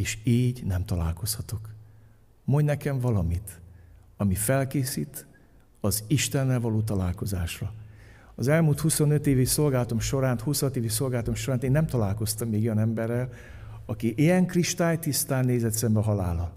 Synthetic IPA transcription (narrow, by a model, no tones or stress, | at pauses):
eːʃiːɟnɛmt̪ɒla̰ːlko̞shɒt̪o̞k | moɲnɛkɛɱvɒlɒmit̪ | ɒmifɛlkeːsit̪ | ɒziʃt̪ɛnːɛlvɒloːt̪̬ɒlaːlko̞zaːʃrɒ | ɒzɛlmuːlt̪huso̞nøt̪eːviso̞lɡaːlɒt̪o̞mʃo̞ɾaːnt̪hushɒt̪eːviso̞lɡaːlɒt̪o̞mʃo̞ɾaːeːnːɛmt̪ɒlaːlko̞st̪ɒmːeːɡojɒnɛmbɛrːɛl | ɒkiʔijɛŋkriʃt̪aːjt̪ist̪aːnːeːzɛt̪sɛmbɛɦɒlaːlɒn